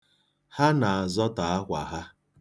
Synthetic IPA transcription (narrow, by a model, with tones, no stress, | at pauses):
ha˦na˨a˨zɔ˦ta˨a˦kʷa˨ɦa˦